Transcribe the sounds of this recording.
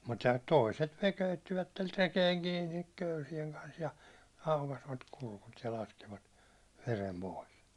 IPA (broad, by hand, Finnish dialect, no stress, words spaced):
mutːɑ toˑiset ne køytːiʋætːer rekeːŋ kiːnik køysieŋ kɑns jɑ ɑukɑsʋɑt kulkut jɑ lɑskiʋɑt ʋerem poˑis